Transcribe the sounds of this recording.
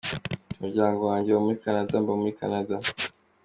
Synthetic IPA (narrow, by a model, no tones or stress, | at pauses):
muɾɟaːŋɡowaːɲɟewomuɾikanadambomuɾikanada